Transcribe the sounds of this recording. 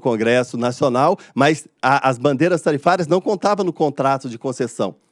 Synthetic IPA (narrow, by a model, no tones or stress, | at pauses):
kõɡɾɛsʊnasionawmɐzaʔɐzbɐ̃nd̪eɾɐst̪aɾifaɾiɐznɐ̃w̃kõnt̪avɐ̃w̃nʊkõnt̪ɾat̪ʊd͡ʒɪkõsesɐ̰̃w̃